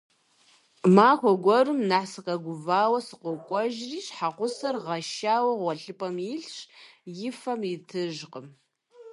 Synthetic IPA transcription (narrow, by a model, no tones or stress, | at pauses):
maːxʷɔɡʷɔrɨmnaħsɨqʼɐɡʷʊvaːwɐsɨqʷʊkʷʼɔʒriːɕħaqʷʊsɐrʁɐʃaːwɐʁʷɐɬɨpʼɐmiɬɕjɪfɐmitʰɨʒqʼəm